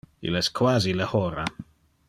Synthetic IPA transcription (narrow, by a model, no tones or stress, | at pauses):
ḭlɛskʰwaːziləhɔɾa